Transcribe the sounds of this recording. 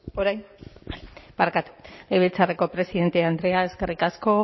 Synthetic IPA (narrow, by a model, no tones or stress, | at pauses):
oɾajn | baɾkat̪u̥lejβet͡sareko̞pɾe̞siðe̞nt̪e̞and̪ɾe̞aezke̞rikasko̞